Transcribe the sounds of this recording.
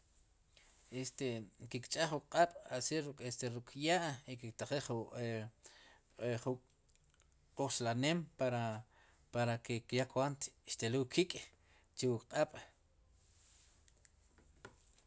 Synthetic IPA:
est̪ekikt͡ʃʼaχwukʼqʼaɓ̥asiest̪eɾukʰjaʔikikt̪aχeχu | χu | quχʃlaneːmpaɾa | paɾakekjakwant̪ʃt̪eluwkʰikʼ | t͡ʃewukʼqʼaɓ̥

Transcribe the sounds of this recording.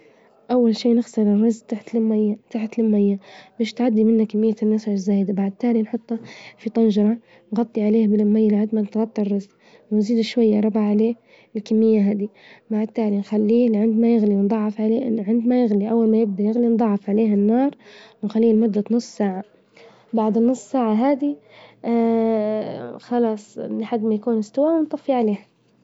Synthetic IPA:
ʔawːalʃiːnɪɣsˤɨɾɪrːɑzʔt̪aħt̪lɪmːajːat̪aħt̪lɪmːajːabɪʃt̪ʕad̪ːimɪnːakmːɪjːat̪amːasaʕɪzːaːjd̪abaʕd̪̚t̪aːlinħʊt̪ˤːɑfit̪ˤɑnʒɑɾˤɑ | nɣɑt̪ˤːiʕaleːhbɪlɪmːajːalʕad̪manɪt̪ɣɑt̪ˤːɑrˤːɑzʔ | wɪnziːd̪ɪʃwajːaɾˤɑbaʕaleː | ɪlkamːɪjːaɦaːd̪imaʕat̪ːaːlinxalːiːlʕɪnd̪majɪɣliwnd̪ˤɑʕːɑfʕaleʕɪnd̪majɪɣliʔawːalmajɪb̚d̪ajɪɣlind̪ˤɑʕːɑfʕaleːɦɪnːɑːɾˤwɪnxalːiːlmʊd̪ːat̪nʊsˤːsaːʕa | baʕd̪ɪnːʊsˤːsaːʕaɦaːd̪i | xɑlɑːsˤlɪħad̪ːmajkuːnɪst̪awaːnt̪ˤɑfiʕaleːh

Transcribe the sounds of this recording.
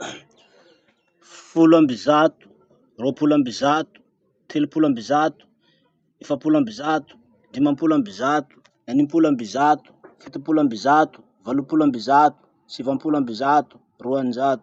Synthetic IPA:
fuluambizat̪u̥ | ropulambizat̪u̥ | t̪ʰelupulambizat̪u̥ | efapulambizat̪u̥ | d̪imampulambizat̪u̥ | animpulambizat̪u̥fit̪ipulambizat̪u̥ | valupulambizat̪u̥ | sivampulambizat̪u̥ | ruaninzat̪u̥

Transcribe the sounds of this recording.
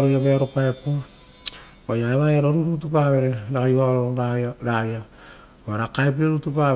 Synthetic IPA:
ɾujabeɾopaepo | ajaeβajaɾoɾuɾutupaβe̞ɾeɾakajβaɾoɾoaɾaja | aɾakaep̬ioɾutupa

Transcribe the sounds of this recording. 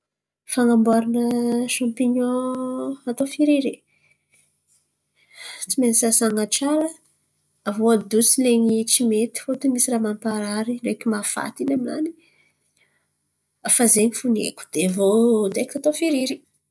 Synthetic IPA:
faŋambaɾanəʃampiɲɔ̃ | at̪ofiɾiɾi | t͡simenisasaŋaʈ͡ʂaɾə | avoad̪ut͡sileɲit͡simet̪i̥fot̪umisiramanipaɾaɾinekʲimafa̰t̪inamina̰ni | fazeɲifunḛkʲu̥d̪̥evod̪ekt̪at̪ofiɾiɾi

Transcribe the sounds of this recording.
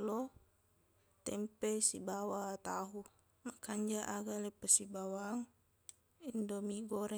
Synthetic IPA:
lɔ | t̪ɛmpɛsibawat̪aɦu | makːaɲd͡ʒaʔaɡalɛpəsibawaŋ | indomiɡɔɾɛ

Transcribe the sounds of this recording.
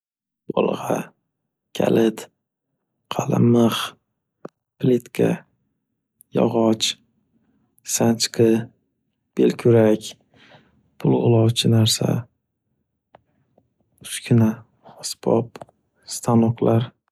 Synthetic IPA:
bɒ̰lˠʁɑ̰ | kʲʰa̰lɪt̪ | qʰɑlˠɪ̰mɨχ | plet̪kʰʲa̰ | jɒ̰ʁɒt͡ʃ | sant͡ʃqʰɨ | b̥elkʲʰʊɾakʲ | pʰʊlˠʊ̰lˠɒwt͡ʃʰɪnaɾsa̰ | t̪ʰʊ̥ʃkʲʰɪna | ɒsbɒ̰p | st̪ʰanɒqlaɾ

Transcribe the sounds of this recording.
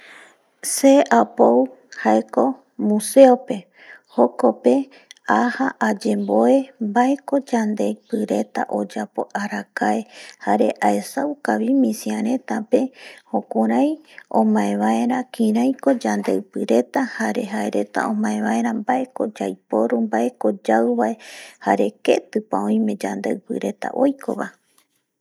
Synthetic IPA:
se̞ʔapow | haeko̞ | mũse̞ope̞ | ho̞ko̞pe̞ | ahaʔad͡ʒe̞mbo̞e̞mbae̞ko̞d͡ʒand̪e̞jpɨɾe̞t̪a̰ʔo̞d͡ʒapo̞̰ʔaɾakaehaɾe̞̰ʔaesawkaβimĩsiaɾẽ̞t̪ape̞hõkuɾãjõ̰mãẽβae̞ɾakĩɾãjko̞d͡ʒand̪ewpɨɾe̞t̪ahaɾe̞ɦaeɾe̞t̪a̰õmãẽβae̞ɾambae̞ko̞d͡ʒajpoɾumbae̞ko̞d͡ʒawβaehaɾe̞ke̞t̪ɨpaõj̃mẽ̞d͡ʒand̪ewpɨ̰ɾe̞t̪a̰ʔo̞jko̞̰βa̰

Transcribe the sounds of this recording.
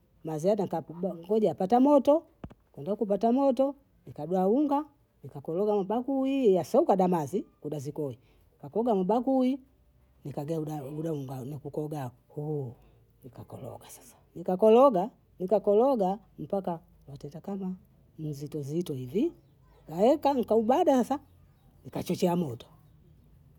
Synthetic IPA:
mazianakabaŋɡɔɟaapatamɔtɔ | kwɛndakupatamɔtɔ | nikadwauŋɡa | nikakɔlɔɡamabakuijasaukaɗamazikuɗazikɔi | nikakɔɡamubakui | nikaɡaaudauŋɡanikukɔɡa | hu | nikakɔ̰lɔ̰ɡasḁsḁnikakɔlɔɡa | nikakɔlɔɡa | m̩paka | watɛntakama | m̩zitɔzitɔivi | ikaɛkaŋ̩kaubadasasa | nikat͡ʃɔt͡ʃɛamɔtɔ̥

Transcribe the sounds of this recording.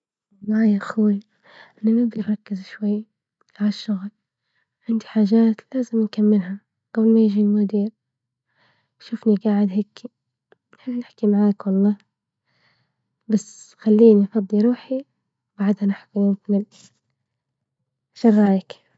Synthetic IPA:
ɑlˤːɑːjaxuːl | ɪnamɪbɪnɾˤɑkːɪzʃwajː | ʕalaʃːʊɣl | ʕɪnd̪iħaːʒaːt̪laːzɪmnkamːɪlɦa | ɡ̥ablmajɪʒimʊd̪iːɾ | ʃʊfniɡaːʕɪd̪ɦekʰːi | nħɪlːnɪħkimaʕaːkwɑlˤːɑː | basxalːiːnifɑd̪ˤːiɾˤuːħi | wbaʕd̪hanaħkilɪkmɪl | ʃɑrˤːɑːjɪk

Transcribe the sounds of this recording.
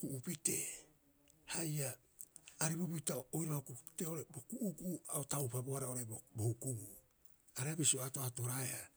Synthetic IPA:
kuʔupite̞ | hajaː | ɾibubitaoojɾaaokukupi̥te̞o̞ɾe̞bo̞kuʔːɡuaotawpaboaɾao̞ɾe̞bobohukuɡu | aɾeabisioato̞ato̞ɾaeha

